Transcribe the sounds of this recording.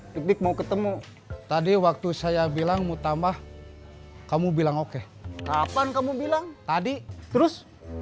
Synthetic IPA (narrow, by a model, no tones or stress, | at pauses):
bik̚bɪk̚maukət̪əmu | t̪adiwak̚t̪usajabilaŋmut̪ambah | kamubilaŋoke | kapankamubilaŋt̪adit̪əɾʊs